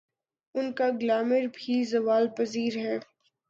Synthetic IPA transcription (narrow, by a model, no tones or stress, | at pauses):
ʊnkaɡlaːməɾbʱizɐʋaːlpɐziːɾɦɛː